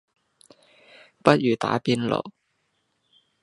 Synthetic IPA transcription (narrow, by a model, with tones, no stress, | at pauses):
pɐ˥t̚jyː˨˩t̪a̰ː˨˥piː˥nlo̰˨˩w